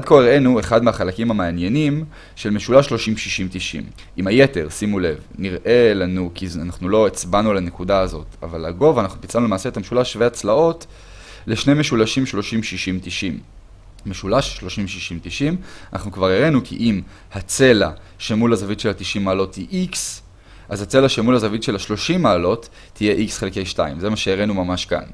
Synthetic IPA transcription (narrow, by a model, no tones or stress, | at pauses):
ad̪̚koeʁe̞nue̞χad̪meaχalakimamaːnje̞nim | ʃe̞lme̞ʃulaʃlo̞ʃimʃiʃimt̪iʃḭm | ʔimhajete̞ʁsimule̞vniʁʔe̞lanukianaχnulo̞it͡sbanulanekudaːzo̞t̪a̰valaɡo̞vanaχnupit͡salnulemaːseet̪ameʃulaʃveat͡slao̞t | leʃneme̞ʃulaʃimʃlo̞ʃimʃiʃimt̪iʃim | meʃulaʃʃlo̞ʃimʃiʃimtiʃimana̰χnukvaʁeʁe̞nukʰḭʔim | hat͡se̞la | ʃe̞mulazavitʃelhatiʃimːaːlo̞thiʔiks | ʔazhat͡se̞laʃemulhazavitʃe̞laʃlo̞ʃimːaːlo̞tː | ije̞ʔiksχelke̞jʃta̰imze̞maʃeeʁe̞numamaʃka̰n